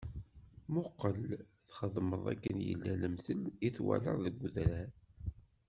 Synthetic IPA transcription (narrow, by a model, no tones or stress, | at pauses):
mʊqːəl | θχəðˤməðˤæ̰kːənjə̰lːæləmθəliθwæ̰ləɾˤðəɡʷðɾa